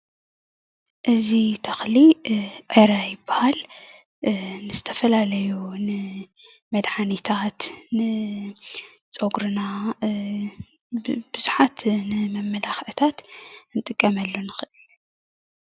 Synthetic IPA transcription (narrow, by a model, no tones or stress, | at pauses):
ʔɨzit̪ʰɐxliʕeɾajɪbːahal | nɨzɨ̥t̪ʰɐfɐlalɐjunɨ | mɐd̪ħanit̪ʰat̪nɨ | t͡sʼoɡɾɨna | b̥ɨzuħat̪nɨmɐmːɐlaxʕɨt̪ʰat̪nɨt̪ʼɨkʼːɐmɐlːonɨxɨʔɨl